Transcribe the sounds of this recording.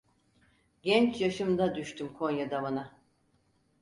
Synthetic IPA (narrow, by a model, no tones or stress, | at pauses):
ɟɛnt͡ʃjaʃɯmd̪ad̪yʃt̪ʰymkʰo̞njad̪avana